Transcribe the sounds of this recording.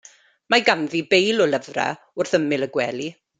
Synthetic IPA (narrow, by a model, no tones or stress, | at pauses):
maɡanðibejlɔləvra̰ | ʊrθəmɪlˠəɡwɛːlˠi